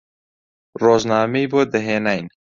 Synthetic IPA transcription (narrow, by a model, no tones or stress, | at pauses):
roːznɑːmejboːd̪əɦeːnajn